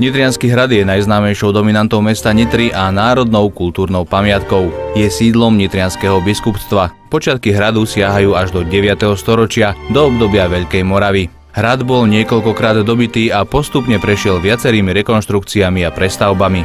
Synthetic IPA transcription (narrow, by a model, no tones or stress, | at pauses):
ɲit̪ɾɪanskiɦɾad̪jɛnajznaːmɛjʃɔʊd̪ɔminant̪ɔʊmɛst̪aɲit̪ɾiʔanaːɾɔd̪nɔʊkult̪uːɾnɔʊpamɪat̪kɔʊjɛsiːd̪lɔmɲit̪ɾɪanskɛɦɔbiskupst̪ʋapɔt͡ʃɪat̪̚kiɦɾad̪usɪaɦajuːaʒd̪ɔɟɛʋɪat̪ɛɦɔst̪ɔɾɔt͡ʃɪad̪ɔɔbd̪ɔbɪaʋɛʎkɛjmɔɾaʋi | ɦɾad̪bɔlɲɪɛkɔʎkɔkɾaːd̪ːɔbit̪iːapɔst̪upɲɛpɾɛʃɪɛlʋɪat͡sɛɾiːmiɾɛkɔnʃt̪ɾukt͡siamiapɾɛst̪aʊbami